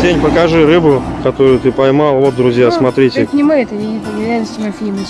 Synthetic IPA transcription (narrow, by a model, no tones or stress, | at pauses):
dʲenʲpəkɐʐɨɾɨbʊkɐt̪oɾʊjʊt̪ɨpɐjmɑlˠvo̞t̪̚d̪ɾʊzʲjasmɐt̪ɾʲitʲɪnʲɪmɨɛt̪əɪt̪ʲɪɾʲalʲnəsʲtʲɪmɐfʲilʲmə